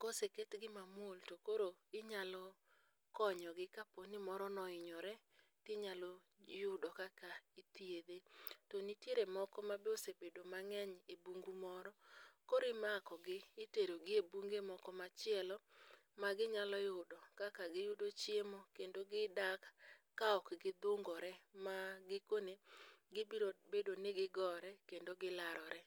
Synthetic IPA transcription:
koseketɡɪmamwoltokoɾoɪɲalɔ | kɔɲɔɡɪkaponɪmɔɾɔnɔɪɲɔɾɛ | tɪɲalɔ | jʊdɔkakait̪ied̪etonitjeɾemɔkɔmabeosebedomaŋɛɲebuŋɡumɔɾɔkoɾɪmakɔɡɪːteɾoɡɪebuŋɡemɔkɔmat͡ʃɪɛlɔ | maɡɪɲalɔjʊdɔkakaɡɪjʊdot͡ʃjemokendoɡɪdakkːaɔkɡɪd̪oŋɡɔɾɛmaɡɪkoneɡɪobedonɪɡɪɡɔɾɛkendoɡɪlaɾɔɾɛ

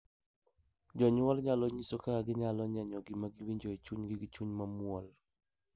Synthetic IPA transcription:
d͡ʒɔɲʊɔlɲalɔɲisokaaɡɪɲalɔɲɛɲɔɡɪmaɡiwiɲd͡ʒoit͡ʃuɲɡɪɡɪt͡ʃuɲmamʊɔl

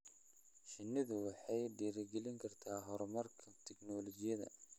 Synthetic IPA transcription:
ʃɪnːɪðʊwɑħɑjd̪iːɾɐɡɛlɪŋkʰɐrt̪ʰaːɦɔɾɔmɐrkʰɐt̪ʰɛɡnɔːlɔt͡ʃɪjɐðɐ̰

